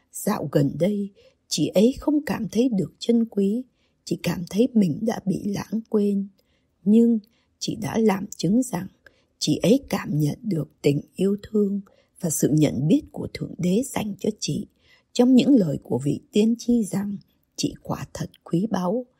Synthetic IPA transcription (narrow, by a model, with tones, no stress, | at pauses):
z̥a̰ː˧˨wɣə˨˩nɗə˧j | t͡ɕḭ˧˨ʔə˨˦jxə˧wŋ͡mkaː˧˩mt̪ʰə˨˦jɗɨ˨˩ək̚t͡ɕə˧nkwi˨˦ | t͡ɕḭ˧˨kaː˧˩mt̪ʰə˨˦jmï˨˩ŋ̟ɗa̰ː˧˥ɓḭ˧˨la̰ː˧˥ŋkwe˧n | ɲɨ˧ŋ | t͡ɕḭ˧˨ɗa̰ː˧˥laː˨˩mt͡ɕɨ˨˦ŋza˨˩ŋ | t͡ɕḭ˧˨ʔə˨˦jkaː˧˩mɲə̰˧˨nɗɨ˨˩ək̚t̪ï˨˩ŋ̟ʔi˧əwt̪ʰɨ˧əŋ | vaː˨˩sɨ̰˧˨ɲə̰˧˨nɓi˦˥ət̚ku˧˩ət̪ʰɨ̰˧˩əŋɗe˨˦z̥a˨˧˩jŋ̟t͡ɕɔ˧t͡ɕḭ˧˨ | t͡ɕɔ˧wŋ͡mɲɨ̰˧˥ŋləː˨˩jku˧˩əvḭ˧˨t̪i˧ənt͡ɕi˧za˨˩ŋ | t͡ɕḭ˧˨kwaː˧˩t̪ʰə˨˩t̚kwi˨˦ɓa˨˦w